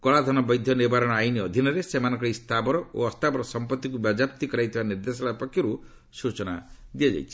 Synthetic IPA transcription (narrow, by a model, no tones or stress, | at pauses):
kɔɭad̪ʱɔnɔbɔjd̪ʱjɔniɾbaɾɔɽ̃ɔajniɔd̪ʱinɔɾesemanɔŋkɔɭist̪ʰabɔɾɔo̰ɔst̪ʰabɔɾɔsɔmpɔt̪ːikubad͡ʒapt̪ikɔɾajt̪ʰibaniɾd̪esɔɭapɔkʰjɔɾu | sut͡ʃɔnad̪ijad͡ʒa̰jt͡ʃʰi̥